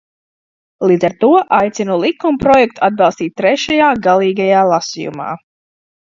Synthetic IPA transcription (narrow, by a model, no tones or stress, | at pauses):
lˠiːd̪zaɾt̪uɔʔajt̪sinulˠikumpɾɔjɛk̚t̪u̥ad̪̚bɑlˠst̪iːt̪̚ʲːɾɛʃajaːɡalˠiːɡajaːlˠasḭjṵma̰ː